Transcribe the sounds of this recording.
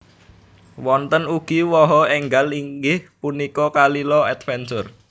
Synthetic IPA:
wɔnt̪ənuɡ̥iwɔɦɔɛŋɡaliŋɡɪhpunikɔkalilɔɛt̪fɛnsʊr

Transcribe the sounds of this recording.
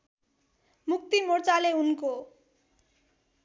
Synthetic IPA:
muk̚t̪imort͡saleunko

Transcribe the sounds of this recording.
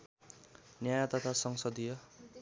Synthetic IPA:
njajat̪ʌt̪ʰasʌŋsʌd̪ijʌ

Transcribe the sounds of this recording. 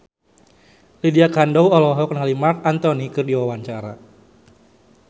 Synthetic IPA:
lidiakandɔwɔlɔɦɔkənɦalimark̚ant̪ɔnikɨrdiwawaɲt͡ʃaɾa̰

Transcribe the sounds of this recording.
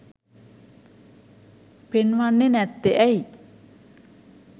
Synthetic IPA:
b̥enwanːenɛt̪ːeʔɛi

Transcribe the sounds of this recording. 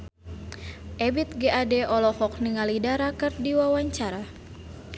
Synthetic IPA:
ʔɛbit̪̚ɡeʔadɛʔɔlɔhɔk̚niŋalidaɾakɨrdiwawaɲt͡ʃaɾa

